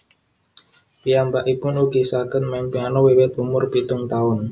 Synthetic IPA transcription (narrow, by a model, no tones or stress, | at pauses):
pijambaʔipʊnuɡ̥isaɡənmɛmpianɔwewɛt̪umʊrpit̪ʊŋt̪aʊn